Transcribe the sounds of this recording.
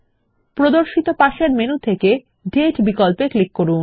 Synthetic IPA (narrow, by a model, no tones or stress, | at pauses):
pɾod̪oɾʃit̪opaʃeɾmenut̪ʰeke | ɖeʈbikolpeklikːoɾun